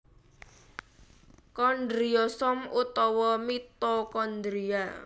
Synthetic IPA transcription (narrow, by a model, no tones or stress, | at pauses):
kɔndɾiɔsɔmut̪ɔwɔmit̪ɔkɔnd̪ɾia̰